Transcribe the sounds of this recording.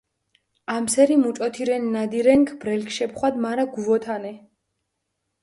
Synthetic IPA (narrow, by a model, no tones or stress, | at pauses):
amsɛɾimut͡ʃʼɔt̪ʰiɾɛnːad̪iɾɛŋkʰb̥ɾɛlkʰʃɛpχwad̪maɾaɡuvɔt̪ʰanɛ